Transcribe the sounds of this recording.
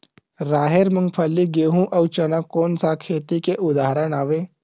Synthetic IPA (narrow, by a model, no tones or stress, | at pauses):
ɾaːɦeɾməŋɡ̚pʰəlːiɡeːɦũʔɐwt͡ʃɐnakoːnsakʰeːt̪ikeʔʊd̪aɦɾəɳaːʋe